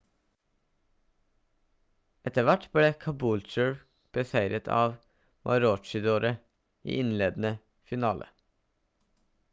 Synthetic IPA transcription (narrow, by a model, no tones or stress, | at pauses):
ʔɛt̪əʋæʈbleːkʰɑbuːlt͡ʃəɹ | b̥əsæɪɾət̪ʰɑ̰ːʋ | ʋʔɑ̰ːɾot͡ʃɪd̪oːɾə | ḭːʔɪnleːd̪n̩ə | fɪnɑːlʔə̰